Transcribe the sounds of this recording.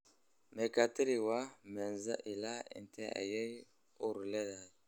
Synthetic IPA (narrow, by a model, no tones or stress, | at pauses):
mekatiɾiwamenzaʔilaḭntʰea̰jej | uɾleda